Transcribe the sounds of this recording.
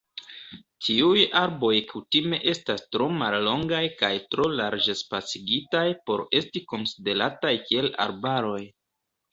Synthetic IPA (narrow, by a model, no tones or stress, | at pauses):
tʰiujaɾbo̞jkʰutime̞ʔe̞stastɾo̞malːo̞ŋɡajkajtɾo̞laɾd͡ʒe̞spat͡siɡitajpo̞ɾe̞stiko̞nside̞ɾatajkie̞la̰ɾbaɾo̞j